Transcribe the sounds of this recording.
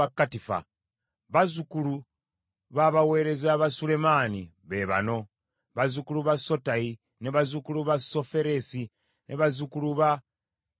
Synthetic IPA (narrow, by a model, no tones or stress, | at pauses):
akːatifa̰ | βazukulu | βaβawe̞ːɾe̞zaβasule̞mani | βe̞βa̰no̞ | βazukuluβaso̞tai | neβazukuluβaso̞fe̞ɾesi | nʔeβazukuluβa